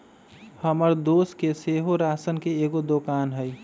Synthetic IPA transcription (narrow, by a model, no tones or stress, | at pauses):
həməɾd̪oskeseɦoɾasənkeeɡod̪okanɦəj